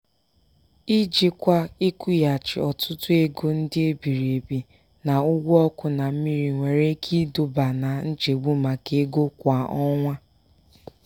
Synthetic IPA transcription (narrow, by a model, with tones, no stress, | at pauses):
i˦d͡ʒi˨kʷa˦i˦ku˦ja˨t͡ʃɪ̰˨ɔ˨tʰʊ˦tʊ˦e˦ɡo˦n̩˦dɪ˦e˦bi˨ɾe˨bi˨ | na˨ʊ˦ɡʷu˦ɔ˦kʊ˨na˨m̩˦mi˦ɾi˨ŋʷe˨ɾe˦kʰi˦dʊ˨ba˨na˨n̩˦d͡ʒe˨ɡ͡bu˦ma˨ke˦ɡo˦kʷa˨ʔɔ˦ŋʷa˦